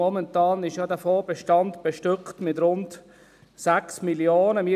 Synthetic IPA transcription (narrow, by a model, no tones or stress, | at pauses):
ɔmɛntɑːnɪʃjɑdæfɔːbɛʃtɑndb̥ɛʃtʏkχtmɪtɾʊnt | sæksmiljoːnəmi